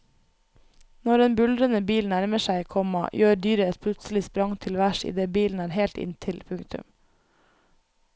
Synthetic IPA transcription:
nɔɾeːnbʉld̪ɾənəbiːlnæɾməʃæɪkʰɔmɑ̰jøːd̪yːɾəɛt̪̚pʰlʉt̪sl̩ɪspɾɑŋt̪ʰɪlʋæʃḭːd̪eːbiːln̩æːɾheːlt̪ɪ̰nt̪ʰɪlpʰʉŋkt̪ʉ̰m

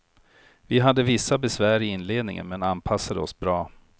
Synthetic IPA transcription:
vɪɦad̪ːəvɪsːabɛsvæːɾɪɪnːleːd̪nɪ̰ŋə̰nmɛnanpʰasːad̪əɔsbɾɑː

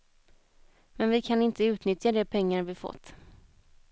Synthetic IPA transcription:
mɛnvɪkʰanɪnt̪ʰəʉ̟ːt̪nʏt̪jad̪ɛpʰɛŋːaɾvɪfɔ̰t̪ː

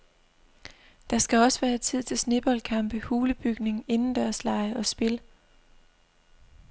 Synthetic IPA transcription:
d̥ɑ̈sɡ̥æɒ̽səʋæːɐet͡sʰið̞̰ˠt͡sʰe̝lsne̝b̥ɒlkʰɑ̈m̰b̥əhuːləb̥yɡ̥ne̝ŋe̝nn̩d̥æɐslɑ̈ɪəɒ̽sb̥e̝l

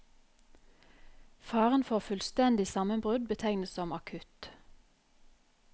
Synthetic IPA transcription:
fɑːʁənfɔʁfʉlst̪ɛnd̪ɪsɑmənbʁʉd̪̚bət̪ʰæɪnəsɔmɑkʰʉt̪

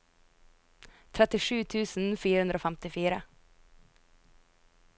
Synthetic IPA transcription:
t̪ʰɾɛt̪ɪʂʉːt̪ʰʉːsnfyːɾəhɵnd̪ɾəoːfɛmt̪ɪfyːɾə

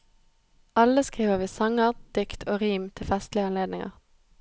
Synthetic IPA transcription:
ʔɑləskʁiːʋəʋiːsɑŋəʁd̪̥ʏkt̪ʰoːʁiːmt̪ʰɪlfɛst̪lɪəɑnleːd̪nɪŋə̰ʁ

